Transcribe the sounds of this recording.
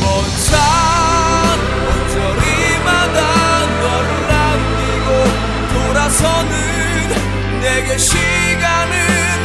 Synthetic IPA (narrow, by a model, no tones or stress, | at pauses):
wʌnd͡ʑʰa | n | wʌnd͡ʑʌɾi | mada | nʌɾuɭːamɡiɡo | t̪oɾasʰʌnɯ | nː | eɡeɕʰi | ɡanɯ | n